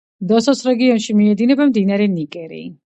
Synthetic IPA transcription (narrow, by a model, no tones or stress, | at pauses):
d̪ɔsɔsɾɛɡiɔnʃimiɛd̪inɛbamd̪inaɾɛnikʼɛɾḭː